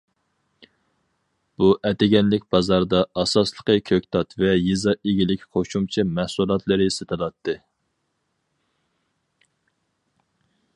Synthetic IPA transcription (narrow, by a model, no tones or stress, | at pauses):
b̥uʔɛt̪ɪɡʲɛnlɪkʲbɑzɑɾd̪ɑɑsɑslˠəqəkʲʰøkʲt̪ʰɑt̪vɛjizɑʔeɡʲilɪkʲqʰoʃumt͡ʃʰɛmæhsulˠɑt̪ʰlˠɨɾɨsɨt̪ʰɨlˠɑt̪ːɨ